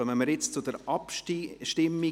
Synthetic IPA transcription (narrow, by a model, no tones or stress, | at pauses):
əməməɾjɪt͡st͡sʊd̪əɾɑpʃʃtɪmːi